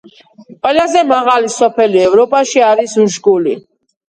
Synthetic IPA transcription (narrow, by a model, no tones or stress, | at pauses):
qʼwɛlazɛmaʁalisɔpʰɛliɛvɾɔpʼaʃiaɾisuʃɡuli